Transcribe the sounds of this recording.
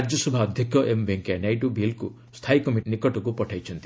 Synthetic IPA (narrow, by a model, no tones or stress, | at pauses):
ɾd͡ʒɔsɔbʱaːd̪ʱjikɔʔembʱeŋkenajʈubʱilku | st̪ʰajkɔmiʈnikɔʈɔkupɔʈʰajt͡ʃʰɔnt̪i̥